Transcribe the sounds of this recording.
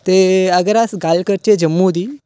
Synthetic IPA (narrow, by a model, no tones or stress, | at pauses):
t̪eəɡəɾasɡalkəɾt͡ɕed͡ʑəmːud̪i